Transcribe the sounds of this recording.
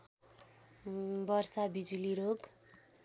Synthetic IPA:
bʌrsabid͡zuliɾoɡ

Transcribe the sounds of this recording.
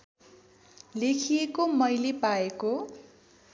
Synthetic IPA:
lekʰijekomʌjlepaeko

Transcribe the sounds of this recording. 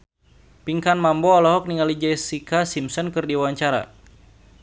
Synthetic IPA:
piŋkanmambɔalɔɦɔk̚niŋalid͡ʒɛsikasimsɔnkɨrdiwwaɲt͡ʃaɾa̰

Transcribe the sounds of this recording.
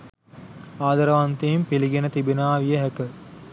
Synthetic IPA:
aːd̪ɐɾəʋant̪eːmpiliɡenət̪ibinaːʋijəɦɛkə

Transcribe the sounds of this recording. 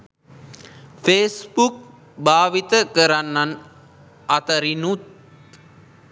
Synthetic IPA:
feːsbuk̚ | bʱaːʋit̪əkəɾanːan | at̪ɐɾinut̪

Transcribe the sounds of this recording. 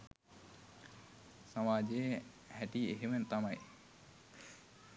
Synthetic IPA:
samaːd͡ʒej | hæʈieɦemənt̪amaj

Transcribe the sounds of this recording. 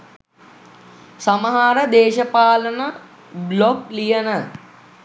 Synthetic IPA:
saməɦaɾəd̪eːʃəpaːlənə | bloklijənə

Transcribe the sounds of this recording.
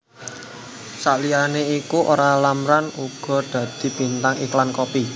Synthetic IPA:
saʔlianeikuʔo̰ɾalamɾanuɡ̥ɔ̤d̪̥ä̤d̪̥i̤b̥i̤nt̪aŋiklankopi

